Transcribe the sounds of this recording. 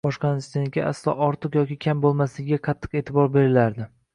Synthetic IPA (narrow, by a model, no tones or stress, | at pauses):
bɒʃqɑnɪst̪enkʲaʔa̰slˠɒ̰ʔɒɾt̪ʰɨqjɒkʲɪkʲʰambolˠmaslɪɡʲɡʲaqʰɑt̪ʰːɨ̥qe̞ːt̪ʰɪbɒɾbe̞ɾɪlaɾd̪ɪ